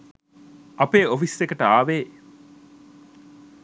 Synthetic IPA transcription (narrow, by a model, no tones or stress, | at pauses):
ʔɐpeːofisʋekɐʈəaːʋeː